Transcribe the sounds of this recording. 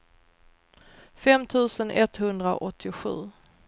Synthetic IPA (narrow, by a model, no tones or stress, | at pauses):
fɛmt̪ʰʉ̟ːsənʔɛt̪hɵnd̪ɾa̰ʔɔt̪ʰːɪɧʉ̟ː